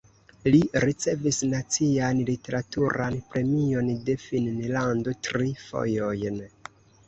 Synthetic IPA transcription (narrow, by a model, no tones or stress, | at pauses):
liɾit͡se̞visnat͡sianlite̞ɾatuɾanpɾe̞mio̞nde̞finnlando̞tɾifo̞̰jo̞jn